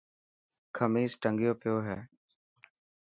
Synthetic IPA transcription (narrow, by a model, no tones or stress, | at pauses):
kʰəmiːsʈəŋɡjoːpɪjoːɦeː